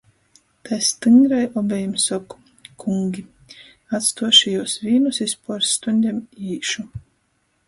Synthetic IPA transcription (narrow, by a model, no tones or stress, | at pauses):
t̪ʰajst̪ɨŋɡɾajɔbʲɛjumsɑku̥ | kʰuŋɡʲi | at̪st̪uɔʃijuɔsvʲiːnusispɔɾst̪unʲd̪ʲɛmiːʃu